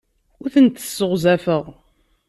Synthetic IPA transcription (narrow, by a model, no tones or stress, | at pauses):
ʊɾθənt̪ə̥sːəʁzæfəʁ